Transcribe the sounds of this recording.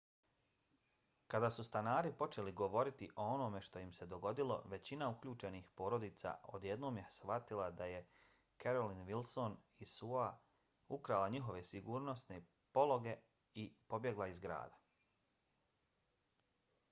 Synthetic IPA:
kad̪aːsust̪anaːɾipo̞t͡ʃe̞liɡo̞ʋo̞ɾit̪iʔo̞onome̞ʃt̪o̞jimse̞d̪o̞ɡo̞d̪ilo̞̰ʋe̞t͡ɕinaukʎuːt͡ʃe̞nixpo̞ːɾo̞d̪iːt̪sa̰o̞̰d̪je̞d̪no̞ːmjesʋat̪ilˠad̪aje̞ | keɾolinʋilˠso̞n | isua | ukɾalaɲiɦo̞ʋe̞siɡuːɾno̞sne̞ | po̞lo̞ɡe̞ | ipo̞bje̞ɡlaizɡɾa̰ːd̪a

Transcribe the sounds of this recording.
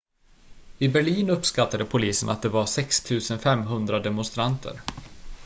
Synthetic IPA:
ɪbæɭiːnɵpːskat̪ːad̪əpʰʊliːsənʔa̰t̪̚d̪ɛvaɾsɛkst̪ʰʉ̟ːsənfɛmːɦɵnd̪ɾad̪ɛmʊnst̪ɾant̪ʰə̰ɾ

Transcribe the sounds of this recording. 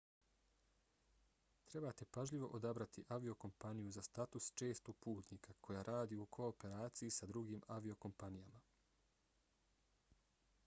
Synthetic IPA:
t̪ɾe̞bat̪e̞paʒʎiʋo̞̰ʔod̪abɾat̪ʰiʔaʋio̞ko̞mpanijuzast̪at̪ust͡ʃe̞ːst̪oɡ̚puːt̪niːkʰakʰo̞jaːɾʔaːd̪iukʰo̞ːpe̞ɾaːt̪sijisad̪ɾuɡiːmaʋio̞ko̞mpanijama

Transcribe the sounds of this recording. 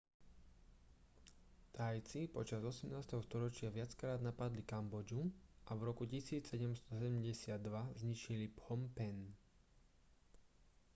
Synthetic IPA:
t̪ajt͡sipɔt͡ʃazɔsɛmnaːst̪ɛɦɔst̪ɔɾɔt͡ʃɪaʋɪat͡skɾaːd̪napad̪likambɔd͡ʒuʔavɾɔkucisiːt͡ssɛɟɛmst̪ɔsɛɟɛmɟɛsɪad̪ːʋazɲit͡ʃiliphɔmpɛn

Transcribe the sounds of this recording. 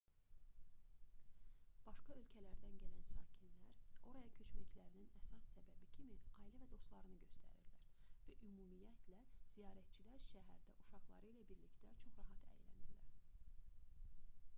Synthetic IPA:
b̥ɑʃkɑø̞lcʰælæɾd̪ænɟælænsɑːcʰinlæɾo̞ɾɑjɑcʰø̞t͡ʃmæcʰlæɾininæsɑsːæbæbicʰimiɑːilævæd̪o̞st̪lˠɑɾɯnɯɟø̞st̪ʰæ̰ɾḭɾlæɾvæʔymuːmijæt̪ʰlæz̥ijɑːɾæt̪̚t͡ʃʰilæɾʃæɦæɾd̪æʔuʃɑχlˠɑ̰ɾɯilæbiɾlict̪æt͡ʃʰo̞χɾɑɦɑt̪ʰæ̰jlæ̰niɾlæ̰ɾ

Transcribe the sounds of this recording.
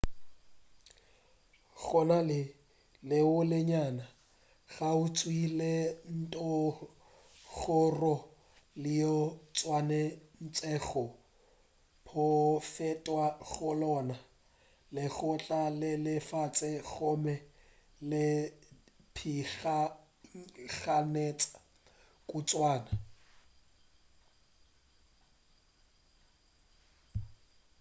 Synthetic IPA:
ɣɔnalɪ | lɪʊlɪɲana | ɣaʊt͡sʼwilen̩tʼɔ | ɣʊrɔ | lɪjɔt͡sʼwanɛn̩t͡sʼɛɣɔ | pʰɔfɛtʼwaɣʊlɔna | lɪɣʊt͡ɬʼalɪlɪfat͡sʼɪɣɔmɛ | lɪ | pʰiɣa | ɣanet͡sʼḁ | kʼut͡sʼwaːna

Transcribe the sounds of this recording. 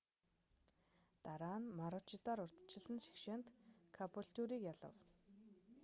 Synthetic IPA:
t̪aɾaːnmaɾʊt͡ɕɪt̪aɾʊr̥t̪t͡ɕɪ̆ɮɘ̆nʃi̥xʃeːnt̪kʰapuɬt̪uɾiːkjaɮə̰̆w

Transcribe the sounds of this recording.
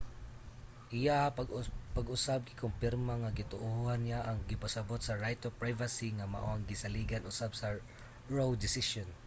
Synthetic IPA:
ʔɪja | paɡʊsab̚ɡɪkʊmpɪɾmaŋaɡɪt̪ʊʔʊhanːɪjaʔaŋɡɪpasabʊt̪̚sɐɹajt̪opɹajvasiŋama̰ʔoaŋɡɪsaliɡanʔʊsabsa | ɹowd̪ɪsɪʃɔn

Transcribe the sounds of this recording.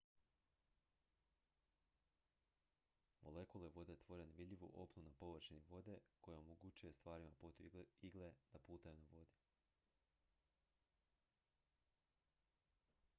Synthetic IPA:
mo̞̰le̞kulˠeʋo̞d̪e̞t̪ʋo̞ːɾeneʋid̪ʲʎʲiʋṵʔo̞pnunapo̞ʋəɾʃeniʋo̞d̪e̞ko̞jeomoɡut͡ʃujest̪ʋaːɾimapot̪uiɡlˠed̪̥apuːt̪ajunaʋo̞d̪i

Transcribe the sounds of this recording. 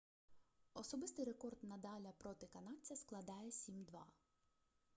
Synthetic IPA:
ɔsɔbɪst̪ɪjɾekɔrd̪nɐd̪ɑlʲɐpɾɔt̪ɪkɐnɑt͡sʲɐsklˠɐd̪ɑjɛsʲimd̪ʋɑ

